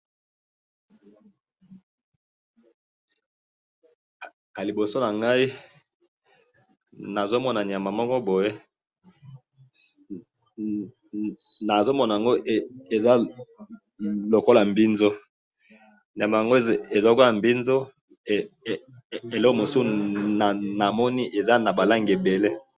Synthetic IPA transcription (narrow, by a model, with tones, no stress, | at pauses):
a˨li˨bo˨so˦na˨ŋɡa˦i˦ | na˨zo˦mɔ˦na˨n˨a˨ma˨mɔ˦kɔ˦bo˨je˦ | na˨zo˦mɔ˦na˨ja˨ŋɡo˦˨e˨za˦ | lo˨ko˦la˨mbi˦nzo˦ | ni˨a˨ma˨ja˨ŋɡo˦e˨za˦o˨ko˦la˨mbi˦nzo˦ | e˨lɔ˦o˦˨mo˨su˦na˨na˨mɔ˦ni˦ʔe˨za˦na˨ba˨la˦ŋɡe˨be˨le˦